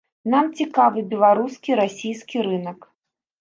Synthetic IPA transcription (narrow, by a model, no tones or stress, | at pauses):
namt͡sʲikavɨbʲɛlˠaɾuskʲiɾasʲijskʲiɾɨnɐk